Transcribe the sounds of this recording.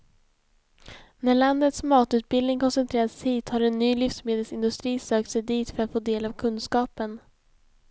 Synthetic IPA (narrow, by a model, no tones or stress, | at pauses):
næɭand̪ət̪smɑːt̪ʉ̟ːt̪̚bɪlnɪŋkʰɔnsɛnt̪ʰɾeːɾashiːt̪haɾɛnːyːlʏfsmeːd̪əlsɪnd̪ɵst̪ɾiːsøːk̚t̪sɛjd̪iːt̪fœɾat̪foːd̪eːlavkʰɵnskɑːpən